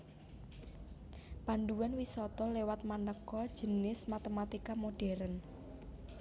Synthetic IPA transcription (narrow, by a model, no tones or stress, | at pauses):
paɳɖuwanwisɔt̪ɔlewat̪̚manəkɔd̥ʒ̥ə̤nɪsmat̪emat̪ikamoɖ̥ɛɾən